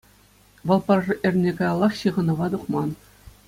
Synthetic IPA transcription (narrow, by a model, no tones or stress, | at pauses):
ʋɤ̆lˠpɑrrɤʔɘ̆rʲnʲekɑjɑlˠːɑχɕɯʁɤ̆nɤ̆ʋɑd̪uχmɑn